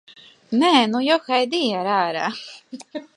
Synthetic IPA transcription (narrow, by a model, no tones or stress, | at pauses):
nɛːnujɔxajd̪iaɾæːɾa̰ː